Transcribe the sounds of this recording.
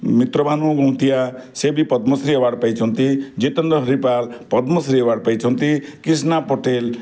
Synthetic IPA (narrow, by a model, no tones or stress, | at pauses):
mit̪ɾɔbʱanuɡɔ̃w̃t̪ijasebipʌd̪mʌsɾiɔwaɽpajt͡sʰʌnt̪id͡ʒet̪ʌnd̪ɔɦɾipalpʌd̪mɔsɾiɔwaɽpajt͡sʰʌnt̪ikis̬napɔʈel